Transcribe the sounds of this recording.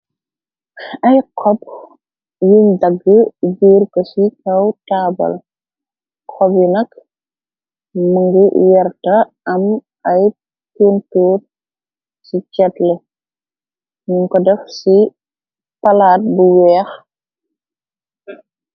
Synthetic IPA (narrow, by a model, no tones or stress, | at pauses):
ɐjkʰɔp̚ | jumdɐɡːəd͡ʒuːrkɔsikɐwtaːbɐ̰l | kʰɔbjinɐk | mɐŋɡuwɛrtɐ | ɐm | ɐj | puntuːr | sit͡ʃɛtlɛ | muŋkɔdɛfsi | pɐlaːt̚buwɛːx